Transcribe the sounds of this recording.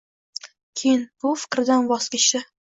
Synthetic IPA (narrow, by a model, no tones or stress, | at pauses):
kʲʰejɪnb̥ʊfɪ̥kʲɾɪd̪anbɒsɡʲɪʃɪ